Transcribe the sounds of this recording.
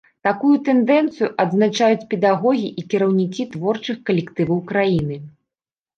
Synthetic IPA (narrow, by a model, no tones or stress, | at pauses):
t̪akujut̪ɛnd̪ɛnt̪sɨjuʔɐd̪znat͡ʂajut͡sʲpʲɛd̪aɣɔɣʲiʔikʲɛɾɐwnʲikʲit̪vɔrt͡ʂɨxkɐlʲɛkt̪ɨvɐwkɾajinɨ